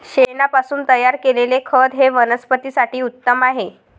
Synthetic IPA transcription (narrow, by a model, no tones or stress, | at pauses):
ɕenapasuːnt̪əjaɾkelelekʰəd̪ɦeʋənəspət̪iːsaʈiːut̪ːəmaɦe